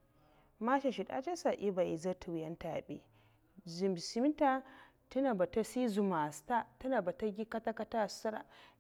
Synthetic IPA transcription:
ma˦ʃa˨ʃi˨ɗa̰˦d͡ʒa˦sa˨ʔi˦ba˨ʔi˨za˦tʰu˨wjɐ˦nta˨bḛ˦ | zi˨mbi˨si˦mi˦ta˦ | ti˦na˨ba˨ta˦si˦zu˨ma˨sta˦ta˦na˨ba˨ta˦ɡʲi˦ka˦ta˦ka˦ta˦sa˦ɾa̰˨

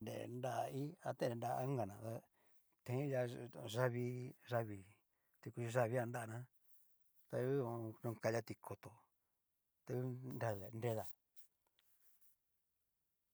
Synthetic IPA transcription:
ndḛ˨nda˦ʔi˦a˧t̪ẽ˦˨e˨˧nda˧˦ŋɡa˨nã˨t̪a˧ | t̪ẽ˨˦ja˧ʐa˦βi˧ʒa˦βi˧ | t̪i˧ku˧t͡ʃi˧ʒa˦βi˧˦a˧nda˦a˧nã˦ | t̪a˧u˦o˧nũ˧ka˧ja˦t̪i˧kʰo˧t̪o˨ | t̪a˧u˦nɾa˧˨nde˦ða˨

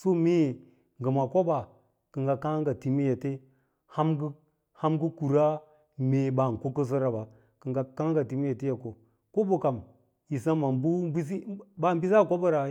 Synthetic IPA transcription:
so˦me˦˨ | ŋɡə˨ma˨ko˦ba˨ | kə˨ŋɡa˨ka˦ŋɡa˨ti˨mi˦ja˨te˦ | ha˦mɡ | ha˦mɡu˦ku˨ɾa˦ | me˨ba˨n˨ko˦kə˦s̬ə˦ɾa˨ba˨ | kə˨ŋɡa˨ka˦ŋ˦ɡa˨ti˨mi˦ja˨ti˦ja˨ko˨ | ko˦bo˨ka˨m | ji˨s̬a˦ma˨mbu˦bi˦s̬i˦ba˦˨mbi˦sa˦˨ko˦bə˦ɾa˨

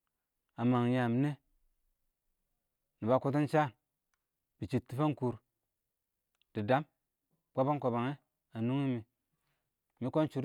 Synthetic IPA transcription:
a˨ma˨ŋ˨ja˨m˨ne˦ | ni˨ba˨˦ku˦t̬i˦nt͡ʃa˦˨n | b̥i˨t͡ʃi˨tːi˨fa˦nku˨ɾ | d̥i˨da˦m | k͡pa˦ba˦ŋkʷa˨ba˨ŋe˦ | a˨nu˦ŋi˦mi˨ | mi˦ko˦nt͡ʃu˨˦ɾ

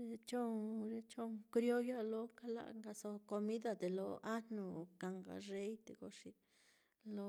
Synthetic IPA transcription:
ɾe˧t͡ʃo˦ŋɾe˧t͡ʃo˦ŋkɾjo˦ja˦lo˦ka˦la̰˧˨ʔŋɡa˧so˧ko˧mi˦d̪a˧d̪e˨lo˧a˦no˧ka˨ŋɡa̰˨re˦jd̪e˧ɡo˧ʂi˧ | lo˧

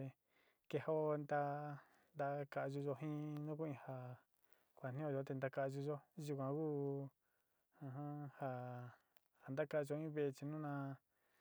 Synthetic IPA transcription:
e˧ | ke˧ho˦nd̪a˧ | nd̪a˧ka˧ʔʒu˧ʒo˧ɦĩ˦nũ˦ku˦ĩ˧ha˧ | kʷa˨n̥ĩ˦õ˧ʒo˧˦t̪e˧nd̪a˧ka˧ʒu˧ʒo˦ʒu˧k̬ʷã˧ku˦ | ã˧ɦã˦ha˧ | ha˨nd̪a˦ka˧ʔʒo˧ĩ˦βe˧e˧t͡ʃi˧nũ˦nã˧

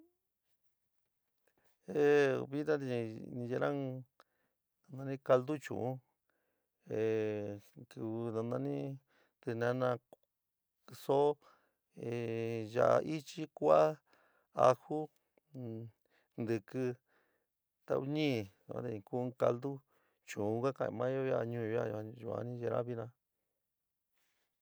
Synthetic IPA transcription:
e˨˧βi˦t̪ã˦t̪i˧nĩ˧je˧˦ɾã˦ŋ | nã˧nã˧nĩ˦ka˧ld̪u˦t͡ʃṵ̃˨ũ˦ | e˨ | kɨ˨βnã˧nã˧nĩ˦ | t̪ɨ˧nã˧nã˧ | so˦ | e˧˨ʒa˨˧ʔi˦t͡ʃi˦kʷa˦ | a̰˧hu˦ | nd̪ɨ˨kɨ˧ | t̪a̰˧u˦ɲĩ˦˨ã̰˧˦d̪ẽ˧ku˦ka̰˧ld̪u˦ | t͡ʃũ˨ũ˧˦kʷa˦kã˧ḭ̃˧mã˦o˦a˧˨ɲũ˧˦a̰˧u˨˧a̰˧nĩ˦ʒe˧ɾã̰˦βi˦˧nã˧

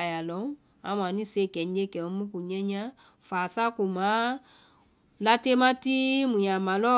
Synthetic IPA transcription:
a˨ja˨lɔ̃˨˦ŋ | ã˨˦m˨ã˨nĩ˦se˦˨kɛ˨ɲ˦d͡ʒe˦kɛ̃˨˦mũ˦ku˨ɲɛ̃˦ɲã˦ | faː˨sa˦ku˨mã˨˦ | la˦te˦mã˦ti˦mũ˨ɲã˨mã˨lɔ˦

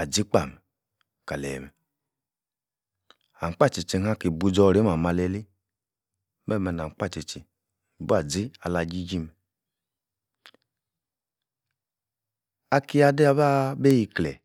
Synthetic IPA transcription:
a˨d͡ʒi˨˦k͡pa˦˨mɛ˨ | ka˨lɛ̰˨mɛ˨ | a˨k͡pa˦˨t͡ʃi˨t͡ʃe˧ha˦ki˨bu˧d͡ʒɔ˧˨ɾe˨˦ma˨ma˧lɛ˧li˦ | mɛ˦˨mɛ˧˨na˨ŋ̩˨k͡pa˦˨t͡ʃe˨t͡ʃi˨ | bu˦a˨d͡zi˦a˧la˧d͡ʒi˦d͡ʒi˦mɛ˨ | a˧ki˦˧a˧de˦a˧ba˦be˦ji˧klɛ̰˨

